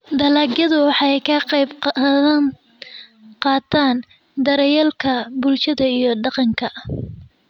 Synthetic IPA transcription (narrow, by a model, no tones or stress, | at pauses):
d̪ɐlaːɡjɐðʊwɑħɑɛjkʰɐqjb | qɑːt̪ʰaːn | d̪ɐɾɐjɛlkʰɐbʊlt͡ʃɐðɐijɞɖɑqɑŋkʰɐ